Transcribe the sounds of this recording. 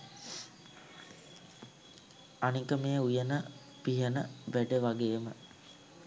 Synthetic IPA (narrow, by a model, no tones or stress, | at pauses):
anikəmeːujənə | piɦənəʋæɖəʋaɡeːmə